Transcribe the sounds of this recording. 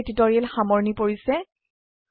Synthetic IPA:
titɔɹiɛlxamɔɹnipoɹisɛ

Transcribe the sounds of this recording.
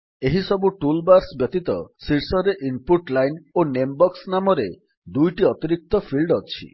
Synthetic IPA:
eɦisɔbuʈulbaɾsbjɔt̪it̪ɔ̰siɾsɔɾeʔimpuʈlajnonembɔksnamɔɾe | d̪ujʈiɔt̪iɾik̚t̪ɔpʰilɖɔt͡ʃʰḭ

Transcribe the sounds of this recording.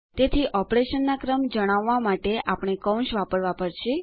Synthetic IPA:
t̪et̪ʰiʔɔpɾeʃənːakɾəmd͡ʒəɽ̃aʋːamaʈeʔapɽ̃ekə̃ũʃʋapəɾʋapəɾʃʰe

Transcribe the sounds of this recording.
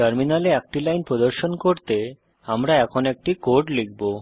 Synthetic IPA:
ʈəɾminaleɛk̚ʈilajnpɾod̪oɾʃonkoɾt̪e | amɾaɛkʰonɛk̚ʈikoɾʈlek̚ʰbo

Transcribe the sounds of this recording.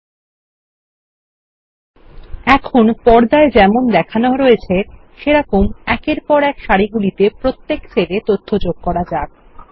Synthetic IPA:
ɛkʰonpɔɾd̪aed͡ʑɛmond̪ɛkʰaneoɾoet͡ɕʰeʃeɾakomɛkeɾpɔɾɛkʃaɾiɡulit̪epɾot̪ːekt͡ɕʰelet̪ot̪ʰːod͡ʑoɡ̚kɔɾad͡ʑab

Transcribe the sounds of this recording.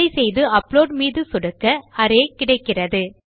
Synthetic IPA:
ɐɪsɛjðɯɐpːloːɖmiːðɯsʊɽɯkːɐɐɾeːkɪɽɐɪkːɪrɐðɯ

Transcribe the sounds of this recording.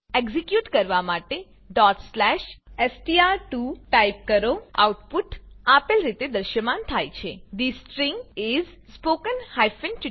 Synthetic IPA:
eɡzikjuʈkəɾʋamaʈe | ɖɔʈslɛʃesʈiaɾʈuʈajp̚kəɾoa̰wʈpuʈapəlɾit̪ed̪əɾʃəmant̪ʰajt͡ʃʰed̪isʈɾĩŋɡiz | spokənhajfənt͡ʃ

